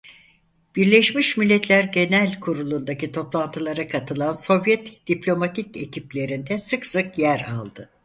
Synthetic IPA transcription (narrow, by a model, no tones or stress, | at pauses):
b̥iɾlʲeʃmiʃmilʲːɛt̪ʰlʲæɾɟe̞nælʲkʰuɾulˠund̪acit̪ʰo̞plˠant̪ʰɯlˠaɾakʰat̪ʰɯlˠanso̞vjɛt̪d̪̥iplʲo̞mat̪ʰice̞̰cʰiplʲe̞ɾind̪ɛsɯksɯkjæɾa̰lˠd̪ɯ